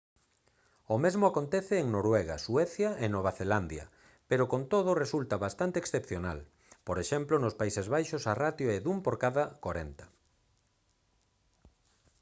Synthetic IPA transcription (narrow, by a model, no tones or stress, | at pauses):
omezmʊakont̪ɛθeːŋnoɾwɛɣa̰swɛθjɐʔenoβ̞aθeland̪jɐ̰ | peɾokont̪oð̞ʊresult̪ɐβast̪ant̪eːksθepθjona̰l | poɾeʃɛmplonospaisezβajʃosarat̪joeðumpoɾkaðɐkoɾḛnt̪ɐ̥